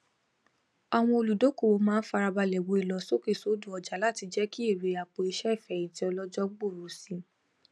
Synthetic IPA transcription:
a˨w̃ɔ̃˧o˧lu˨do˨˦ko˦˨o˨˧mãː˦n̩˦fa˧ɾa˧ba˧lɛ˨wo˨˦i˦˨lɔ˨˦so˦ke˦˨so˨˦du˦˨ɔ˨d͡ʒa˨˦la˦˨ti˧d͡ʒɛ˦ki˦e˦˨ɾe˨˦a˨k͡po˧i˧ʃɛ˦i˦˨fɛ˨ĩ˨˦ti˦ɔ˧lɔ˦d͡ʒɔ˦ɡ͡bo˦˨ɾo˨si˧˦

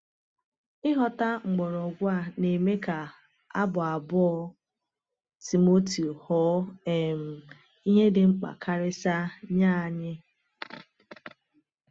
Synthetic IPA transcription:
ɪ˦ɦɔ˨ta˦ŋ͡m̩˨ɡ͡bɔ˨ɾɔ˨ɡʷa˦˨ne˨me˦ka˨ | a˦bʊ˨a˨bɔ˦ | ti˨mo˦ti˨hɔ˦e˨m̩˨ | i˦ɲe˦dɪ˨ŋ͡m̩˦k͡pa̰˨kʰa˦ɾɪ˦sa˦ɲaː˦˨ɲɪ˦

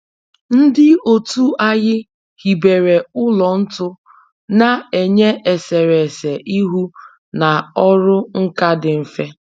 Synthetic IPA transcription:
n̩˦dɪ˦o˨tu˦a˦ɣɪ˦ | hi˨be˨ɾe˨ʊ˦lɔ˨n̩˦tʊ˦ | na˨e˨ɲe˦e˨se˨ɾe˨se˨ʔi˦ɦu˦ | na˨ɔ˦ɾʊ˦ŋ̩˦ka˦dɪ˨m̩˨fe˦

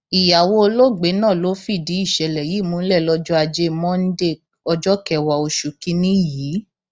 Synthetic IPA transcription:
i˨ja˨wo˧o˧lo˦˨ɡ͡be˨˦nãː˦˨lo˨˦fi˦˨di˨˦i˦˨ʃɛ˨lɛ˨ji˨˦˨mũ˨˦lɛ˦˨lɔ˦d͡ʒɔ˦a˧d͡ʒe˦mɔ̃˦n̩˦de˦˨ | ɔ˧d͡ʒɔ˦kɛ˧˨wa˧o˧ʃu˨ki˦nĩ˦jiː˨˦

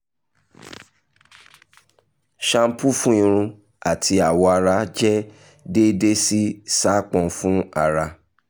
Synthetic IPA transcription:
ʃã˧m̩˦pu˦fũ˦ĩ˧ɾ̃ũ˧ | a˨ti˧˦a˨wɔ˧a˧ɾa˧˦d͡ʒɛ˦ | de˦de˦si˦sa˦k͡pɔ̃˧˦fũ˦a˦˨ɾa˧

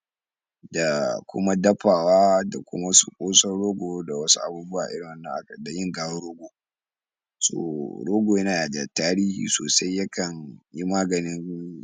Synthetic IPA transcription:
da˨kʷʊ̰˦ma˦dɐ˦ɸaː˨waː˦da̰˨kʷʊ̰˦ma˦su˨kʷʼoː˦sɔ˦rɽoː˦ɡʷoː˨˦da˨wɐ˦sṵ˦ʔa̰˨buː˦bʊ˦waː˨ʔɪ˦ɽɪ˨wɐ˦nːɐ̰˨ŋʔa̰˦kda˨jɪ˦ŋɡaː˨wo˦ɽoː˦ɡʷoː˨ | so̰ː˨ɽoː˦ɡʷoː˨jɐ˦naː˨ja˨da˨taː˦ɾiː˦hḭː˨so̰ː˨sa˦jːɐ˦kɐ˨ɲji˦maː˦ɡɐ˨nɪ˦n

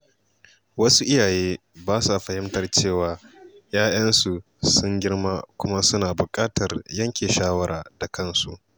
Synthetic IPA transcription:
wɐ˦su˦ʔɪ˦jaː˨jeː˦ | baː˦su˨ɸɐ˨hɪ˦mtɐ˨˦rt͡ʃeː˦˨waː˨jaː˦j̰ɐ˦nsu˨ | sʊ˦ŋɡʲɪ˦rma˦kʷʊ˦ma˦sʊ˦naː˨bʊ˨kʼaː˦tɐ˨rjɐ˦ŋkʲeː˨ʃaː˦wɐ˦ɾaː˨da˨kɐ˦nsu˨ʔ

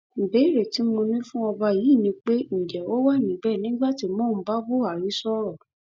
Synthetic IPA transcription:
m̩˨be˨˦˨ɾe˨ti˨˦mo˧nĩ˦fũ˦ɔ˧ba˧ji˨˦˨nĩ˧k͡pe˦n̩˨d͡ʒɛ˨o˦wa˦˨nĩ˨bɛ˦˨nĩ˨˦ɡ͡ba˦˨ti˧˦mɔ̃˦˨m̩˦ba˦bo˦a˨ɾi˨˦sɔ˦ɾɔ˦˨

